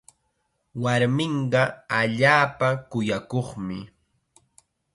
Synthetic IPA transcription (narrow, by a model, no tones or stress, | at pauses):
waɾmɪɴɢɑaʎaːpakʊjakoχmɪ